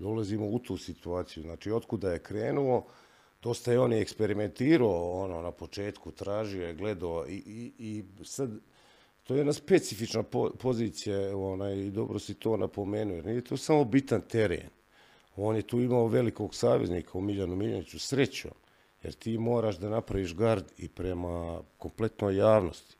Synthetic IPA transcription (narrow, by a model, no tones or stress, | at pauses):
ulazimo̞ut̪ʰuːsit̪uaːt̪sijuznaːt͡ʃiːo̞t̪kud̪aje̞kɾeːnuo̞ | d̪̥o̞st̪ajeo̞ːnjekspe̞ɾime̞nt̪iːɾaoonoːnapo̞t͡ʃe̞ːt̪kut̪ɾaːʒiojeɡle̞d̪aoiiisad̪ | t̪oje̞d̪naspet̪sifit͡ʃnapopo̞ziːt̪sijaonaːjid̪o̞bɾosit̪o̞ːnʔapo̞meːnuojeɾniːje̞t̪oːsamo̞bit̪ant̪e̞ɾḛːn | o̞ːnjet̪uːimaoʋe̞liko̞ɡsaːʋe̞zniːkʰaumiʎanumiʎanit͡susɾe̞t͡ɕo̰ːm | jeɾt̪iːmo̞ːɾaːʃd̪anapɾaʋiːʃɡaɾd̪ḭpɾemako̞mple̞t̪no̞ːjːaːʋno̰st̪i̥